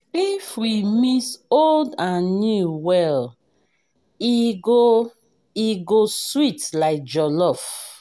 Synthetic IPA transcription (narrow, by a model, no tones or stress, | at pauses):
ifwimisoldãnːjuwɛl | iɡo | iɡoswitlaɪk̚d͡ʒɔlɔf